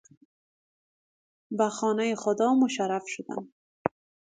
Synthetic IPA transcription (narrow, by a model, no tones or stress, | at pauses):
baxɔːnajixʊd̪ɒːmʊʃaɾafʃʊd̪a̰n